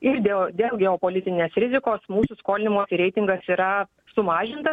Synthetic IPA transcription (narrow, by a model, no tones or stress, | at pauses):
ɪɾd̪ʲeːlˠd̪ʲeːlˠɡʲɛoːpoːlʲɪt̪ʲɪnʲeːsɾʲɪzʲɪkoːsmuːsʊskoːlʲɪnʲɪmoːsʲɪɾʲɛɪt̪ʲɪŋɡɐsiːɾɐ | sʊmɑːʒʲɪnt̪ɐs